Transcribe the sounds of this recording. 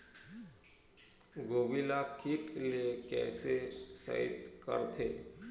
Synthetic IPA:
ɡoʋilakʰiʈlekɛ̰ːsesə̰ḭt̪kə̰ɾt̪ʰe

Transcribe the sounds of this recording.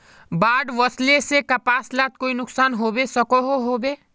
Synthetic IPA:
baːɖʋəslesekɐpaːslaːt̪̚koːinʊksaːnɦoːbesɐkoɦoɦoːbeː

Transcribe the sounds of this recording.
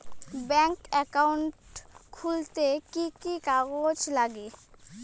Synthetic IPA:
bɛŋkɛkawuɳʈkʰult̪ekikikaɡod͡ʑlaɡe

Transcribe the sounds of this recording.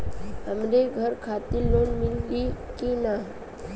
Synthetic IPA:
ɦəmɾeɡʱəɾkʰaːt̪iloːnmɪlɡikina

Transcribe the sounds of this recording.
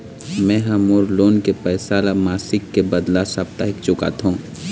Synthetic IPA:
mɛ̃ːɦɐmoːɾloːnkepɛːsaːlamaːsɪkːebɐd̪lasaːp̚t̪aɦɪkt͡ʃʊka̰t̪ɦũː

